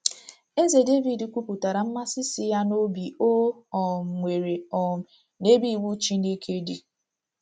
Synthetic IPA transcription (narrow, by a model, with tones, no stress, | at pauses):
e˦ze˨de˦vi˨di˨kʷu˦pu˨ta˨ɾa˨m̩˦ma˦sɪ˦si˦ja˦no˦bi˨o˦ɔ˨ŋʷe˨ɾe˨ɔ˨m̩˨ | ne˦bi˦˨wu˦t͡ʃi˦ne˦kʰe˦di˨